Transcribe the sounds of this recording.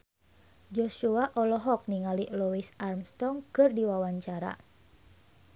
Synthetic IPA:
d͡ʒɔʃuaʔɔlɔɦɔk̚niŋaliʔluisarmst̪ɔŋkɨrdiwawaɲt͡ʃaɾa̰

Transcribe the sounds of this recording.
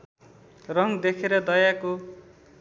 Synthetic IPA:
rʌŋd̪ekʰeɾʌd̪ʌjako

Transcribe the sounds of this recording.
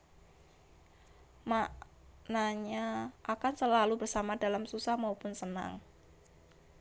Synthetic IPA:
ma | naɲaʔakansəlalubərsamadalamsusahmaupʊnsəna̰ŋ

